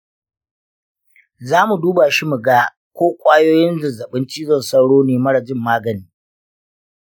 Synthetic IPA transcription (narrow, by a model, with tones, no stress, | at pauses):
zaː˦mu˨duː˦baː˨ʃi˦mu˨ɡaː˦ | kʷoː˦kʷʼaː˦joː˦jɪ˦nzɪ˨zɐ˨ɓɪ˦nt͡ʃiː˦zɐ˦˨nsɐ˦wɽoː˦neː˨mɐ˦ɽɐ˨d͡ʒɪ˦mːaː˦ɡɐ˨niː˦